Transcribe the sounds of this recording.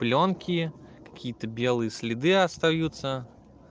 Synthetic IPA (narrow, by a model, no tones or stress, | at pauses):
plʲonkʲikɐ̥kʲijət̪əbʲelˠɨjəsʲlʲɪd̪ɨɐst̪ɐjut̪sə